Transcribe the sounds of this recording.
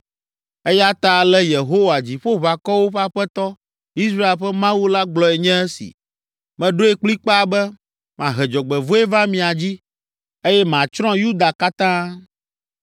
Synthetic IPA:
e˦ja˦t̪a˨lɛ˦je˨ɦo˦wa˨d͡ʑi˨ɸo˦βa˨kɔ˦wo˦ɸa˦ɸɛ˦t̪ɔ˦ | i˦s̬ɾa˦e˨lɸɛ˦mã˦wu˦la˦ɡ͡blɔ˨e˨ɲɛ̃˦ɛ˦sḭ˨ | mɛ̃˨ɖo˦e˦k͡pli˦k͡pa˦a˨bɛ˦ | mã˨ɦɛ˨d͡ʒɔ˨ɡ͡bɛ˨vo˦e˦vã˦mĩ˨a˨d͡ʑi˦ | e˦jɛ˦mã˨t͡ʃɾɔ̃˦ju˦d̪a˨ka˦t̪ã˦

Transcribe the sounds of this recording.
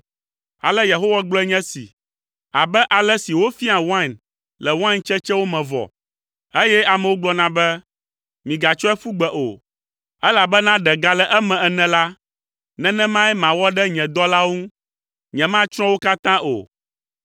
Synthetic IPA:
a̰˨lɛ˦je˨ɦo˦wa˦ɡ͡blɔ˦ɛ˦ɲɛ̃˦sḭ˨ | a̰˨bɛ˦ʔa˨lɛ˦si˨wo˦fi˦a˨wã˦n | lɛ˨wã˦nt͡ʃɛ˦t͡ʃɛ˦wo˦mɛ̃˨vɔ̰˨ | e˦jɛ˦a˨mɛ̃˨wo˦ɡ͡blɔ˦nã˦bɛ˦ | mĩ˨ɡa˨t͡ʃɔ˦ɛ˦fu˦ɡ͡bɛ˨ʔo̰˨ | ɛ˦la˨bɛ˦nã˦ɖɛ˨ɡa˦lɛ˦ʔɛ˦mɛ̃˨ɛ˨nɛ̃˨la˦ | nɛ̃˦nɛ̃˦mã˦ɛ˦mã˨wɔ˦ɖɛ˦ɲɛ̃˨d̪ɔ˦la˦wŋũ˦ | ɲɛ̃˨mã˦t͡ʃɾ̃ɔ̃˦wo˦ka˦t̪ã˦ʔo̰˨

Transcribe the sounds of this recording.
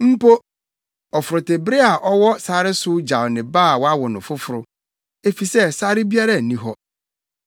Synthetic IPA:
m̩˦po˦ | ɔ˨fʊ˨ɾʊ˨te˨bɾɪ˦a˨ʔɔ˦wɔ˦saː˦ɾɪ˦sʊ˦d͡ʑa˨wnɪ̃˨baː˦˨wɔ˨˦a˦wɔ˨nʊ̃˨fʊ˦fʊ˨ɾʊ˦ | e˦fi˨sɛ˦sa˦ɾɪ˦bi˦a˦ɾa˦˨nĩ˦ɦɔ˦

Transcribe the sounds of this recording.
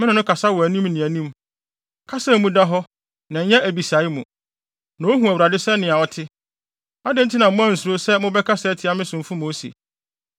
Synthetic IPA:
mɪ̃˦ɪ̃˨nʊ̃˦kʰa˨sa˦wɔ˨æ˨nĩ˦mnɪ̃˨æ˨nĩ˦m | kʰa˦sa˦˨mũ˦da˦ɦɔ˦ | nã˨ɲ̩˦ɲɛ̃˦ʔæ˨bi˨sa˨˦ɪ˦mũ˨ | nã˨o˦ɦũ˨æ˨wu˨ɾa˨dɪ˦sɛ˦nɪ̃˨a˨ɔ˦tʰɪ˦ | a˦dɪ̃˦n̩˦tʰɪ˦nã˨m˦mʊ̃˦ã˦n̩˨su˨ɾo˦sɛ˦mʊ̃˦bɛ˦kʰa˦sɛː˦tʰɪ˨˦a˦mɪ̃˦sʊ̃˨m˨fʊ̃˦mo˦sḛ˨

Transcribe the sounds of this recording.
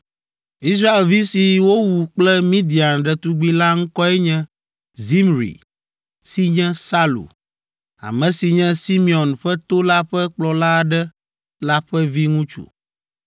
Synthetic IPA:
i˦s̬ɾa˦e˨lvi˦si˨wo˦wu˨k͡plɛ˦mĩ˦d̪i˨a˨nɖɛ˨t̪u˦ɡ͡bi˦la˦ŋ̩˦kɔ˦ɛ˦ɲɛ̃˦ | zi˦mɾḭ˨ | si˦ɲɛ̃˦sa˦lṵ˨ | a̰˨mɛ̃˨si˨ɲɛ̃˦si˦mi˨ɔ˨nɸɛ˦t̪o˦la˦ɸɛ˦k͡plɔ˨la˦˨ɖɛ˦ | la˦ɸɛ˦vi˦ŋũ˦t͡ʃṵ˨

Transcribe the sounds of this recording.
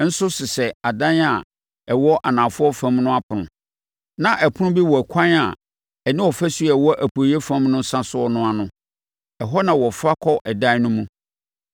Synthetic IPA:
n̩˦sʊ˦sɪ˨sɛ˨a˨dã˦na˨ | ɛ˨wɔ˦ʔa˨nãː˨fʊ˦ɔ˦fã˦mnʊ̃˦a˦pʰʊ˨nʊ̃˨ | nã˨ʔɛ˨pʰʊ˦nʊ̃˦bi˦wɔ˨æ˨kʷʰã˦na˨ | ɛ˨nɪ̃˦wɔ˨fæ˦su˦a˨wɔ˦ʔæ˨pʰo˨jɛ˦fã˦mnʊ̃˦n̩˦sã˦sʊ˦ɔ˦nʊ̃˦a˨nʊ̃˦ | ɛ˨ɦɔ˦nã˨wɔ˨fɾa˦kʰɔ˦ʔɛ˨dã˦nʊ̃˦mũ˦

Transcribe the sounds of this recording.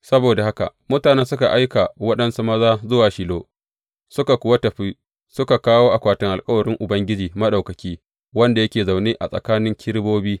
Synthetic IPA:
sɐ˦boː˨da˨ha˦ka̰˨mʊ˦taː˨ne˦nsʊ˦ka˨ʔa˦jka˨wɐ˦ɗɐ˦nsu˦mɐ˦zaː˦zʊ˦waː˨ʃiː˨loː˦ | sʊ˦ka˨kʷʊ˦wɐ˦tɐ˨ɸiː˦ | sʊ˦ka˨kaː˦woː˦ʔa˨kʷaː˨tɪ˨ŋʔa˨lkʼɐ˦wɐ˨ɾɪ˦ŋʔʊ˨bɐ˦ŋɡʲɪ˦d͡ʒiː˨mɐ˦ɗa˨wkɐ˨kʲiː˦ | wɐ˦nda˨jɐ˦kʲeː˨za˨wneː˦ʔa̰˨sʼɐ̰˨kaː˦nɪ˦ŋkʲʰɪ˦ɽboː˦biː˦

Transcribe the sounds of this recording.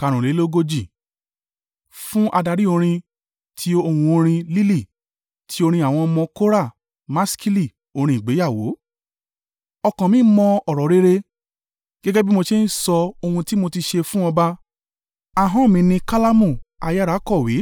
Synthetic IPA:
ka˨˧ɾ̃ũ˨le˨˦lo˦ɡo˧d͡ʒi˦˨ | fũ˦ʔa˧da˧ɾi˦o˧ɾ̃ĩ˧ | tʰi˨˦o˧hũ˧o˧ɾ̃ĩ˧li˦li˦˨ | tʰi̥˨˦o˧ɾĩ˧a˨w̃ɔ̃˧mɔ̃˧ko˦ɾa˦˨ | mã˦ski˦li˦˨ | o˧ɾĩ˧˨i˨ɡ͡be˨˦ja˦˨wo˨˦ | ɔ˧kɔ̃˨mĩ˨˦mɔ̃˧ɔ˦˨ɾɔ˨˦ɾe˦ɾe˧ | ɡ̥ɛ˦ɡɛ˦bi˦mo˧ʃe˦n̩˦sɔ˧o˧hũ˧ti˦mo˧ti˧ʃe˧fũ˦ɔ̃˧ba˦ | a˧ɦɔ̃˦mĩ˧nĩ˧ka˦la˦mũ˦˨a˧ja˦ɾa˨˦kɔ˦˨wi˨˦

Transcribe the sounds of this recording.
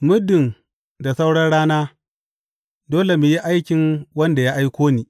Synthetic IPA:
mʊ˦dːɪ˨n | da˨sa˦wɽɐ˦nɽaː˦naː˦ | doː˦le˨mu˨ji˦ʔa˦jkʲɪ˨ŋwɐ˦nda˨jaː˦ʔa˦jkʷoː˦niː˦

